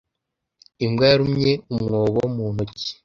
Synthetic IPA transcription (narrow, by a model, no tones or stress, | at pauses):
imɡaɾumɲeumŋoːβomuːnoci̥